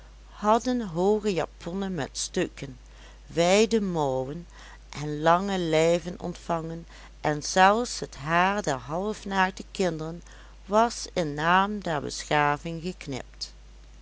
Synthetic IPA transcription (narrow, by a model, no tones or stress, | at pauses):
hɑdənɦoːχəja̰ːpʰɔnənmɛ̰tstøkən | ʋɛjdəmɔwən | ʔɛnlɑŋəlɛjvənɔ̰ntfɑŋən | ʔɛnz̥ɛlˠfsɦətɦaːɹdɛɹɦɑlˠəfnaːkdəkɪndərən | ʋɑsɪnːaːmdɛɹbə̰sχaːvɪŋɣəknɪ̰p̚t